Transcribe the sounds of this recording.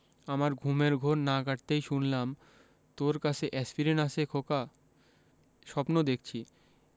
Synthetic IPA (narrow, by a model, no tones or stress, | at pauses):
amaɾɡʱumeɾɡʱoɾnaɡaʈ̚t̪ejʃunlam | t̪oɾkat͡ɕʰeʔɛspiɾenasʰekʰoka | ʃɔpnod̪ek̚ʰt͡ɕʰi